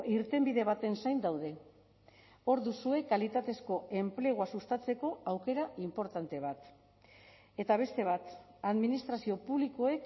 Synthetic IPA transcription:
iɾt̪e̞mbiðe̞β̞at̪e̞nsajnd̪awðe̞ | o̞ɾðusue̞kalit̪at̪e̞sko̞e̞mple̞ɣ̞oasust̪at͡se̞ko̞awke̞ɾaimpo̞ɾt̪ant̪e̞β̞at̪ | e̞t̪aβe̞st̪e̞β̞at̪aðminist̪ɾasio̞puβliko̞e̞k

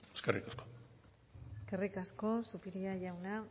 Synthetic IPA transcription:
eskerikasko | eskerikasko̞supiɾiaʝawna

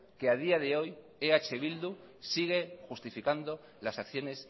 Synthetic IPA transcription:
keað̞iaðe̞o̞j | eat͡ʃe̞βild̪u | siɣ̞e̞xust̪ifikand̪o | lasakθjo̞ne̞s

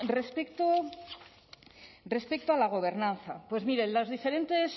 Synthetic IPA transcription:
respekt̪o | re̞spek̚t̪oalaɣ̞o̞β̞e̞ɾnanθapwe̞zmiɾelazðife̞ɾe̞nt̪e̞s

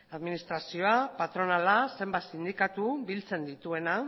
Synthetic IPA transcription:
aðminist̪ɾasio̞apat̪ɾo̞nalase̞mbat̪sind̪ikat̪ubilt͡se̞nd̪it̪ue̞na

